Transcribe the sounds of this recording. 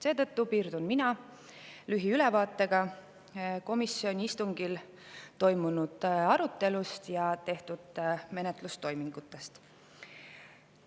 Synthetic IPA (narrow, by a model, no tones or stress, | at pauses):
se̞ːt̪ɤt̪ːupiːɾd̪̥unminɑ | lyɦiylɛvɑːt̪ːˑe̞ɡ̥ɑ | ko̞misːio̞nʲiist̪uŋɡ̥il | t̪o̞jmunud̪̥ɑɾut̪ˑːe̞lust̪jɑt̪e̞ht̪ud̪̥me̞net̪ˑlust̪o̞jmiŋɡ̥ut̪ːˑest̪